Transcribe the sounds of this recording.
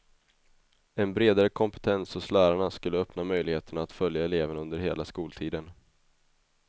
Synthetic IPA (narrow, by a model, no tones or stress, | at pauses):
ɛnbɾeːd̪aɾəkʰɔmpə̥t̪ʰɛnsɔslæːɾaɳaskɵlːəœpnamœjlɪɡheːt̪əɳaːt̪fœljaɛleːvənɵnd̪əɾɦeːlaskuːlt̪ʰiːd̪ən